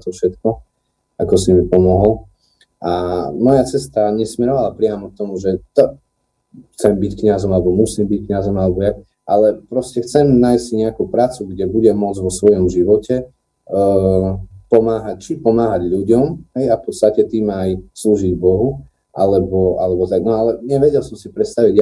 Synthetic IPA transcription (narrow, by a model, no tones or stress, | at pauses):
t̪ɔfʃɛt̪kɔ | akɔsimipɔmɔɦɔl | ʔamɔjat͡sɛst̪aɲɛsmɛɾɔʋalapɾɪamɔk̚t̪ɔmuʒɛt̪ɔ | xt͡sɛmbickɲazɔmalɛbɔmusiːmbickɲazɔmalɛbɔja | ʔalɛpɾɔscɛxt͡sɛmnaːjssɲɛakupɾaːt͡suɡɟɛbuɟɛmʊɔd͡zʋɔsʋɔjɔmʒiʋɔcɛ | pɔmaːɦac̚t͡ʃipɔmaːɦaɟʎuɟɔmɦɛjafpɔt̪st̪acɛt̪iːmajsluːʒiɟbɔɦu | ʔa̰lɛbɔʔalɛbɔt̪aɡnɔalɛɲɛʋɛɟɛlsɔmsipɾɛt̪st̪aʋiɟ